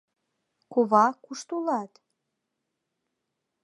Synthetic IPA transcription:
koβɑkuʃt̪ulɑt̪

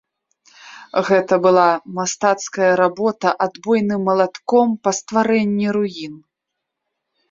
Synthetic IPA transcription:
ɣɛt̪ɐbɨlˠamast̪at̪skɐjɐɾabɔt̪ɐʔad̪bɔjnɨmːɐlˠat̪kɔmpɐst̪vaɾɛnʲːiɾujin

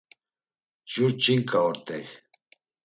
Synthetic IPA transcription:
d͡ʒuɾt͡ʃʰʼiŋkʼaɔɾt̪ʼɛj

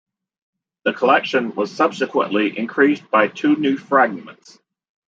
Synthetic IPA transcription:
ðɨkʰəlɛkʃɨ̃nwʌz̥sʌb̥sɨkʰwə̰̃nʔliʔɪ̃nkʰɹ̥isb̥aɪtʰʉnʉfɹæɡ̚mə̰̃nts

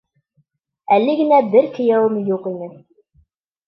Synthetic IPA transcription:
ælːɘɡɘ̆næbɘɾkɘ̆jæwɤmjuqinɘ

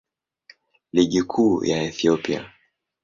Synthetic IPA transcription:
liɠikʰujaɛθiɔpia̰

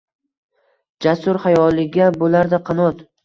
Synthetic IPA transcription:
d͡ʒasʊɾhajɒlˠɪɡʲabolaɾd̪aqʰɑnɒt̪

